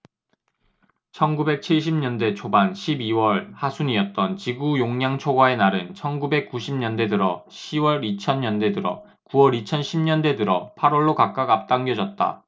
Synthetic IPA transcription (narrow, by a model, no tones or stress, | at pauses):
t͡ɕʰʌnɡube̞k̚t͡ɕʰiɭɕ̬ʰimɲʌnde̞t͡ɕʰobanɕʰibiwʌɭhasʰuniʌt̚t͈ʌnt͡ɕiɡujoŋɲaŋt͡ɕʰoɡwae̞naɾɯnt͡ɕʰʌnɡube̞k̚k͈uɕʰimɲʌnde̞dɯɾʌɕʰiwʌɾit͡ɕʰʌnɲʌnde̞dɯɾʌ̰ | kuwʌɾit͡ɕʰʌnɕʰimɲʌnde̞dɯɾʌpʰaɾwʌɭːokak̚k͈aɡap̚t͈aŋɡjʌd͡ʑʌt̚t͈a̰